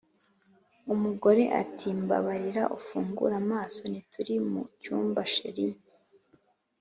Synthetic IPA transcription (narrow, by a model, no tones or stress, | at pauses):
umuɡo̞ɾe̞ʔa̰tʰiːmba̰βaɾiɾa̰ʔufuːŋɡṵɾamaːso̞nitʰuɾimṵcuːmbaʃḛɾi